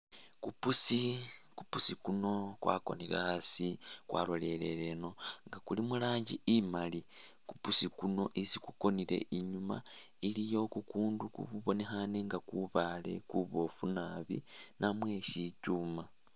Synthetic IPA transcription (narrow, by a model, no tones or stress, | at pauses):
kupusikupusikuno̞kwa̰ko̞̰niɾa̰asikwa̰ːlo̞le̞le̞ɾe̞no̞ŋɡakulimulaːɲɟiimali | kupusikuno̞ʔisikuko̞niɾe̞̰ʔiɲuma̰ | ilijo̞kukuːndukṵβuβo̞ne̞xane̞ŋɡakuβaːle̞̰kuβo̞funaβḭnamwe̞ʃicuma